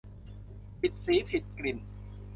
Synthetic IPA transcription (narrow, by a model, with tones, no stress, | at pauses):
pi˨˩t̪̚siː˨˦pʰi˨˩t̪̚kli˨˩n